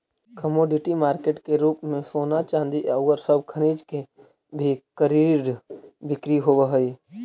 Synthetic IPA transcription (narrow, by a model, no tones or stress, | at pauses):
kəmoːɖɪʈimaːɾkeːʈkeɾuːpmẽsoːnat͡ʃãːnd̪iʔəʊəɾsəbʱkʰəñiːd͡ʒke | bʱikəɾiɖbɪkɾiɦoːʋəɦəi